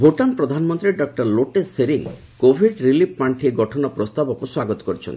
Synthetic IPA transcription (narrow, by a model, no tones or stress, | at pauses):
bʱoʈanpɾɔd̪ʱanɔmɔnt̪ɾiɖɔk̚ʈɔɾloʈesːeɾiŋ | kobʱiɖɾilip̚ʰpaɳʈʰieɡɔʈʰɔnɔpɾɔst̪abɔkuswaɡɔt̪ɔ̥kɔɾit͡ʃʰɔ̰nt̪i